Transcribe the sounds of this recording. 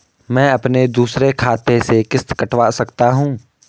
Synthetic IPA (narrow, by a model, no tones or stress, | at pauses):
mɛ̃ːɐpned̪uːsɾekʰaːt̪esekɪst̪kɐʈʋaːsɐkt̪aɦũː